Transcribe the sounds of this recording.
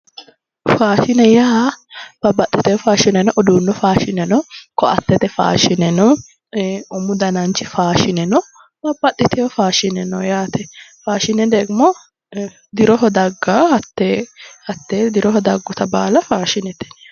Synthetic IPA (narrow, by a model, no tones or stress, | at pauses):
faːʃɪnɛjaːb̥ɐbːɐt̪ːɪt̪ɛjɔfaːʃɪnɛnɔʔɔd̪uːnːɔfaːʃɪnɛnɔkɔʔɐ̰t̪ːɛt̪ɛfa̰ːʃɪnɛnɔ | ʊmʊd̪ɐnɐnt͡ʃːɪfaːʃɪnɛnɔ | b̥ɐbːɐt̪ʼːɪt̪ɛjɔfaːʃɪnɛnɔjaːt̪ɛfaːʃɪnɛd̪eːɡɪmɔ | d̪ɪɾɔɦɔd̪ɐɡːaɐt̪ːehɐt̪ːeːd̪ɪɾɔɦɔd̪ɐɡːɔt̪ɐba̰ːlɐfaːʃɪnɛt̪ɛ̥